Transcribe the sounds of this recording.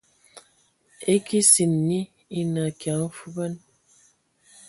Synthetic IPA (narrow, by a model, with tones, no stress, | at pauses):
e˦ki˦si˨nːi˦ | i˦na˨kja˨˦ŋ̩˦fu˦bə˦n